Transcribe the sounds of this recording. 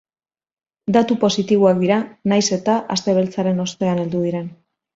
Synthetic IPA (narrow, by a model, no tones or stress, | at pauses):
d̪at̪upo̞sit̪iβ̞uak̚d̪iɾanajse̞t̪aʔast̪e̞β̞e̞lt͡saɾe̞no̞st̪e̞ane̞ld̪uðiɾe̞n